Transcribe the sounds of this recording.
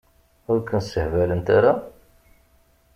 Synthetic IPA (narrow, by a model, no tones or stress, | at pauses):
ʊɾkənsəhvælənt̪aɾa